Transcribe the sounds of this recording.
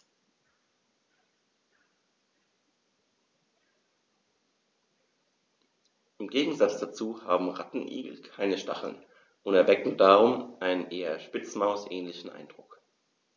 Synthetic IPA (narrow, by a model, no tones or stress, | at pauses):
ʔɪmɡeːɡŋ̩zat͡sd̥at͡suːha̰ːbm̩ʁa̰tn̩ʔḭːɡl̩kʰaɪnəʃta̰χl̩n | ʔʊntɛɐvɛkŋ̩daːʁʊmʔaɪnənʔeːɐʃpɪt͡smaʊsʔɛːnlɪçn̩ʔa̰ɪnd̥ʁʊk